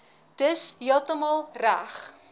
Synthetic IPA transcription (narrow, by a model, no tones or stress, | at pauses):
d̥əsɦiəlˠtəmɑːlˠræ̰χ